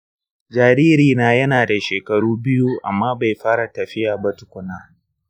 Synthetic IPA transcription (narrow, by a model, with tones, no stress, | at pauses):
d͡ʒaː˨ɾiː˦ɾiː˨naː˦jɐ˦naː˨da˨ʃeː˨kɐ˨ɽuː˦bɪ˦juː˦ʔa̰˨mːaː˦ba˨jɸaː˦ɽa˨tɐ˨ɸɪ˦jaː˨ba˦tʊ̥˨kʷʊ˦naː˦